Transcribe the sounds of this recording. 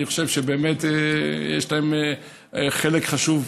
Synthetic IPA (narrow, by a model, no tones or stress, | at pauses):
iχoʃevʃebeːmet̪ejḛʃlaem | χelekχaʃuv